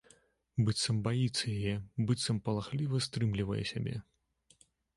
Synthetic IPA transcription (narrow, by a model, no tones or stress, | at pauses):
bɨt̪sɐmbajit̪sːɐjajɛbɨt̪sːɐmpɐlˠaxlʲivɐst̪ɾɨmlʲivɐjɛ̰sʲabʲɛ̰